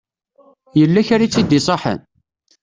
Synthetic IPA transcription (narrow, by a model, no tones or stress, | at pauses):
jəlːæçaɾit͡sːid̪isˤɑħə̰n